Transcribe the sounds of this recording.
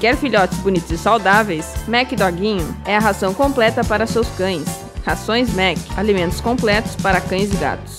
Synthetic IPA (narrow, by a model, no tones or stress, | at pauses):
kɛɾfiʎɔt͡ʃɪ̥sbʊnit̪ʊzɪsawd̪avejsmɛkɪd̪ɔɡĩɲʊɛɐɦazɐ̃w̃kõmplɛt̪ɐpaɾɐsewskɐ̃j̃s | hasõj̃smɛkɪ̥alimẽnt̪ʊ̥skõmplɛt̪ʊ̥spaɾɐkɐ̃j̃zɪɡa̰t̪ʊ̥ss